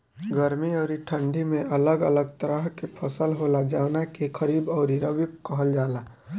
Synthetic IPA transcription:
ɡəɾmiɔːɾiʈʰə̃ɳɖʱimẽʔələɡələɡ̚t̪əɾəɦkepʰəsəlɦolad͡ʒaːʊnakekʰəɾiːbɔːɾiɾəbɪp̚kəɦəld͡ʒaːla

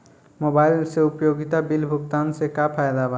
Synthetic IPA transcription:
mobajlseupjoɡit̪abilbʱukt̪ansekapʰaed̪abʱa

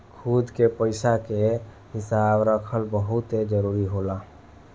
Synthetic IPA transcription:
kʰud̪kepəɪsake | ɦɪsabɾəkʰəlbəɦʊt̪ed͡ʒəɾuːɾiɦola

